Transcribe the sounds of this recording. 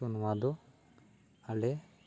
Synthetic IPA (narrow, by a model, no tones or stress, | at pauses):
unwad̪ɔ | alɛ